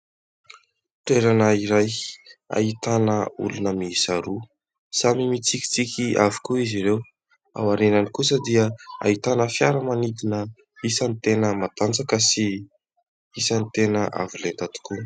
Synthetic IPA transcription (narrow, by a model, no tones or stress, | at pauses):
ʈ͡ʂeɾanəiɾaja̰it̪anəṵlunəmiisaɾu | samimit͡sikʲi̥t͡sikʲiʔavi̥kuiziɾew | a̰waɾenanikus̬əd̪iəa̰it̪anəfjaɾəmanid̪inə | isanit̪enəmat̪and͡zakəsi | isənit̪enəʔa̰vilent̪at̪i̥ku